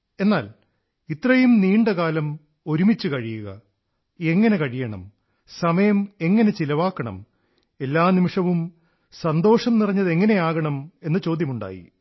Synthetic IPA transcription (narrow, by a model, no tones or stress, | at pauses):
e̞nːaːl | it̪rɐjjumniːɳɖɐkaːlɐm | o̞ɾumit͡ɕːukɐɻijuɣɐ̰ | e̞ŋːɐne̞kɐɻijɐɳɐ̰m | sɐmɐjɐme̞ŋːɐne̞t͡ɕilɐʋaːkːɐɳɐ̰m | e̞lːaːnimiʂɐʋum | sɐnd̪o̞ːʂɐmnirɐɲːɐðe̞ŋːɐne̞jaːɣɐɳɐme̞nːɨt͡ɕo̞ːd̪jɐmuɳɖa̰ːjḭ